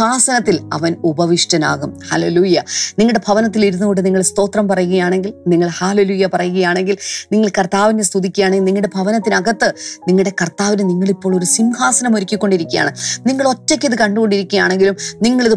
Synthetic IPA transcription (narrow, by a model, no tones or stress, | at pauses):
aːsɐnɐt̪ːilɐ̰ʋɐnubɐʋiʂʈɐna̰ːɣumhɐleluːjɐniŋːɐɽe̞bʱɐʋɐnɐt̪ːiliɾunːuɣoɳʈːɨniŋːɐɭst̪o̞ːt̪rɐmpɐrɐjuɣɐjaːɳe̞ŋɡilniŋːɐɭhaːle̞luːjɐpɐrɐjuɣɐjaːɳe̞ŋɡilniŋːɐɭkɐrt̪aːʋinːest̪ud̪ikʲːujaːɳeɡilniŋːɐɭɨɽe̞bʱɐʋɐnɐt̪ːinɐɡɐt̪ːɨniŋːɐɽe̞kɐrt̪aːʋinniŋːɐɭipːo̞ːɭo̞ɾusimhaːsɐnɐmoɾikʲːikʲːo̞ɳɖiɾikʲːuja̰ːɳɨniŋːɐɭo̞tːɐkʲːiðɨkɐɳɖuɣo̞ɳɖiɾikʲːujaːɳe̞ŋɡilumniŋːɐɭiðɨ